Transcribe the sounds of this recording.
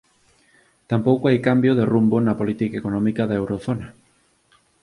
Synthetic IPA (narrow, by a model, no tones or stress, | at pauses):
t̪ampowkoajkambjoðerumbonapolit̪ikaekonɔ̃mikaðaewɾoθona